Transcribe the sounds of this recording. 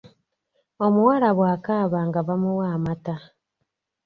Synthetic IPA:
omuwaɾaβwaːkaːβaŋɡaβamuwaːmata

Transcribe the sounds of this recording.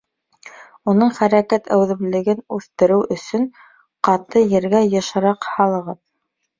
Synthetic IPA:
unɤɴχæɾækæt̪ʰæwðɘ̆βlɘ̆ɡɘnʉθt̪ɘ̆ɾɘwʔɵ̆sɵn | qɑt̪ɤjɘ̆ɾɡæjɤ̆ʃɤ̆ɾɑqhɑlˠɤ̆ʁɤð

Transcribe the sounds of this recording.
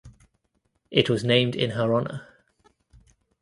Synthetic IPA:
ʔɪʔwɒznẽɪ̃mdɪ̰̃nəɹɒnə̰

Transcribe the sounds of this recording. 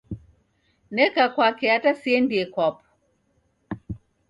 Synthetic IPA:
nɛkakwakɛatasiɛndiɛkwapɔ̥

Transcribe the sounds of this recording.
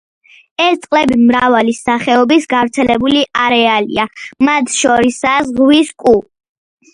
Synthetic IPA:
ɛst̪sʼqʼlɛbimɾavalisaχɛɔbisɡavɾt̪sʰɛlɛbuliʔaɾɛalḭamat̪ʰʃɔɾisazʁwiskʼu

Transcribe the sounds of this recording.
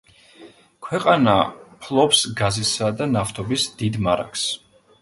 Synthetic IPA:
kʰwɛqʼana̰pʰlˠɔpsɡazisad̪anaft̪ʰɔbisd̪̥id̪maɾa̰ks

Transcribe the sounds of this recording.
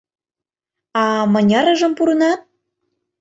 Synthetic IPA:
ɑmɤ̆nʲɑɾɤ̆ʒɤ̆mpuɾɤ̆nɑt̪̚

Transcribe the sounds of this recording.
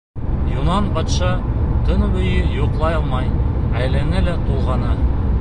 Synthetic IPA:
junɑnbɑt̪ʃɑt̪ɵnbɵ̆jɘjuqlˠɑjɑlˠmɑjæjlænɘlæt̪ulˠʁɑnɤ

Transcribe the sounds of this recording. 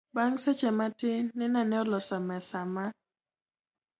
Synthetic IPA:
baŋsɛt͡ʃɛmatɪnɪnanɛɔlɔsamɛsama

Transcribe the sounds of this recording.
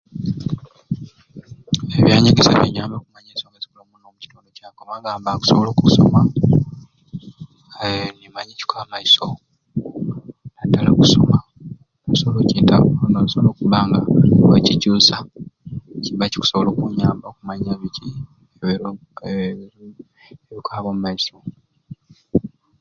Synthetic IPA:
eβjaːɲiɡesa̰βḛɲaːmbakumaɲesoŋɡazikolomunoːmuci̥toːndo̞caːkomaɡaːmbaku̥soβolokuso̞̰ma | nimaɲici̥kaːmaiso | nadala̰ku̥so̞̰ma | nasoβolociːnta̰konosoβoloːkuβaːŋɡaocicuːsa | ciβaci̥ku̥so̞βoloːkuɲaːmbakumaɲaβici | eβikaːβomumaiso̞

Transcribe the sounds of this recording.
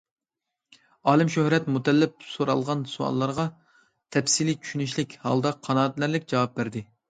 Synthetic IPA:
ɑːlˠɪmʃøhɾɛt̪mut̪ʰɛlːɪp̚soɾɑ̰lˠʁɑnsuɑ̰lːˠɑɾʁɑ | t̪ʰɛfsilit͡ʃʰy̥ʃynyʃlɪkʲhɑ̰lˠd̪ɑqʰːɑnɑːt̪læɾlɪkʲd͡ʒɑwɑp̚bæɾd̪ɪ

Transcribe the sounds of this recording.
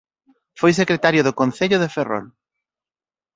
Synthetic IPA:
fojs̬ekɾet̪aɾjoðʊkõnθeʎʊðeferɔ̰l

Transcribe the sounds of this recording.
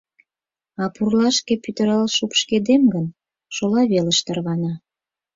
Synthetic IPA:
ɑpurlɑʃkepyt̪əɾɑlʃupʃked̪emɡən | ʃolɑβeləʃt̪ə̆rβɑnɑ

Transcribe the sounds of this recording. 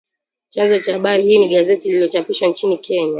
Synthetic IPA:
t͡ʃanzɔt͡ʃahaɓaɾihiːniɠazɛtililɔt͡ʃapiʃwant͡ʃinikʰɛɲa

